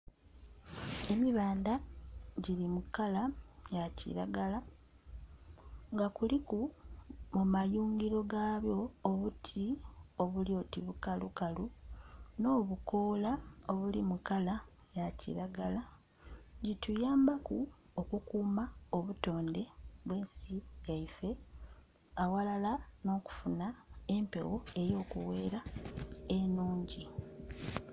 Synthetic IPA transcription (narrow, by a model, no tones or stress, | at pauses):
e̞miβaːndaɟiɾimukalajacḭɾa̰ɡala | ŋɡakulikumumajuːŋɡiɾo̞ɡaβjo̞ːβutʰio̞βulio̞tiβukalukaluno̞ːβuko̞ːlaoβulimukala | jacḭɾaɡala | ɲɟitujaːmbaku | okukuːmaoβuto̞ːnde̞βwe̞ːnsijaife̞ | awalalano̞ːku̥funae̞mpe̞̰wo̞e̞jo̞ːkṵwe̞ːɾa | enuːɲɟi